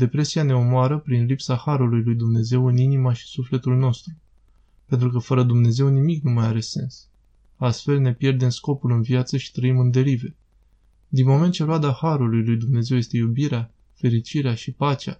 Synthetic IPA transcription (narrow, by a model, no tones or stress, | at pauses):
d̪e̞pɾe̞siane̞omoaɾəpɾinlipsahaɾulujlujd̪umne̞ze̞wɨninimaʃi̥sufle̞t̪ulno̞st̪ɾu | pe̞nt̪ɾukəfəɾəd̪umne̞ze̞wnimiknumajaɾe̞se̞̰ns | ast̪fe̞lne̞pje̞rd̪e̞msko̞pulɨnvjat̪səʃi̥t̪ɾəimɨnd̪e̞ɾive̞ | d̪inmo̞me̞nt̪̚t͡ʃe̞ɾoad̪ahaɾulujlujd̪umne̞ze̞wje̞st̪e̞jubiɾea | fe̞ɾit͡ʃiɾeaʃipat͡ʃea̰